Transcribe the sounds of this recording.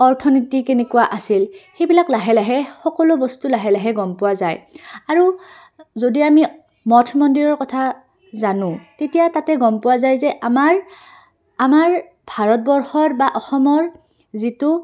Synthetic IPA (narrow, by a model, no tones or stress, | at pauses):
ɔɹtʰɔnitikenɛkʊwaʔasilxejbilaklaɦɛlaɦɛxɔkɔlʊbɔstulaɦɛlaɦɛɡɔmpʊwazajaɹu | zodiami | mɔtʰmɔndiɹɔɹkɔtʰa | zanʊ̃tetijatatɛɡɔmpʊwazajzɛʔamaɹ | amaɹ | bʱaɹɔt̚bɔɹxɔɹbaʔɔxɔmɔɹ | zitʊ